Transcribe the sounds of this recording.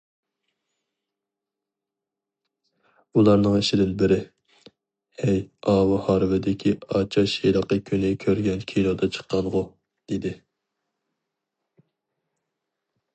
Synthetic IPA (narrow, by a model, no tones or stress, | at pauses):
ulˠɑɾnɨŋeʃɪd̪ɪnbɪɾɪ | hɛjɑːwɨhɑɾvɪd̪ɪkʲʰiɑt͡ʃʰɑʃijlˠəqːəkʲʰynɪkʲʰøɾɡʲɛnkʲʰilˠod̪ɑt͡ʃʰə̥qʰːɑnʁʊ | d̪̥ed̪ɪ